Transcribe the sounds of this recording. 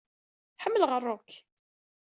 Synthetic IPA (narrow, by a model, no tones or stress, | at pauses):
ħəmːəlʁərˤːʊk